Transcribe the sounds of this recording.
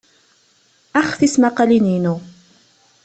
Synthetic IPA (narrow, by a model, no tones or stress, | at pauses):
ʔaxfɪsmaqɑliniːnu